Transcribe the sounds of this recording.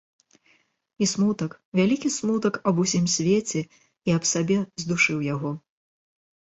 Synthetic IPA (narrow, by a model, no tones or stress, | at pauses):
ismut̪ɐkvʲalʲikʲismut̪ɐkɐbusʲimsʲvʲet͡sʲɛ | iɐpsabʲɛzd̪uʂɨwjaɣɔ